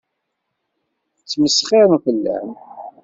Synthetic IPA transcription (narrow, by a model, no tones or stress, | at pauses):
t͡sːməsχɪɾmfəlːæ̰m